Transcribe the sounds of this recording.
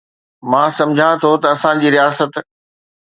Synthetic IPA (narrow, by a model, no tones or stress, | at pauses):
mãːsɐ̃md͡ʑʱãt̪ʰot̪ɐɐsãd͡ʑiːɾijaːsət̪